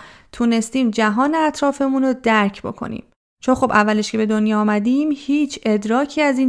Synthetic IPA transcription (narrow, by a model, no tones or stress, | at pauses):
t̪ʰuːne̞st̪iːmd͡ʒæɦɒːneæt̪ʰɾɒːfe̞munod̪æɾcʰbo̞̰kʰo̞̰nḭːm | t͡ʃʰo̞nχobʔævːæle̞ʃkcʰe̞be̞d̪o̞njɒːmæd̪iːmhiːt͡ʃʰe̞d̪ɾɒːcʰiːæziːn